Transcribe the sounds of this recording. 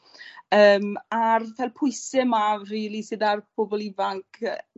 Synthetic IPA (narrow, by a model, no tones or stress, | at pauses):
əːmarðɛlˠpʰʊɨsɪmariːlˠisɨdarpʰobɔlˠivaŋkʰə